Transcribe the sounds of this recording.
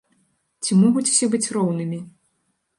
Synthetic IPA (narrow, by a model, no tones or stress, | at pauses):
t͡sʲimɔɣut͡sʲw̥sʲɛbɨt͡sʲrɔwnɨmʲi